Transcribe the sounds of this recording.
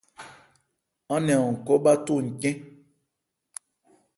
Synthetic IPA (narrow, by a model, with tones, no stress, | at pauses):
ɔ̃˦nɛ̃˨ɔ˨ŋ̩˨kɔ˦ɓa˦tu˦˨ŋ̩˨kɛ̃˦